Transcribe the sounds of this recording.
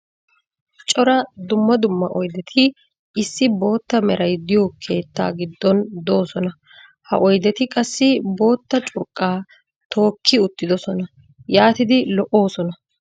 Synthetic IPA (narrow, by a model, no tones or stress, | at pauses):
t͡ʃʼɔɾɐd̪ʊmːɐd̪ʊmːɐʔɔjd̪ɛt̪ʰɪ | ɪsːɪbo̞ːt̪ːɐmɛɾɐjd̪ɪjoːkʰe̞ːt̪ːa̰ːɡɪd̪ːɔnd̪o̞ːsɔnɐ | hɐ̰ʔɔjd̪ɛt̪ɪkʼɐsːɪbo̞ːt̪ːɐt͡ʃʼʊɾkʼːaː | t̪ʰo̞ːkʰːɪʊt̪ːɪd̪ɔsɔnɐ | jaːt̪ɪd̪ɪlɔʔo̞ːsɔnɐ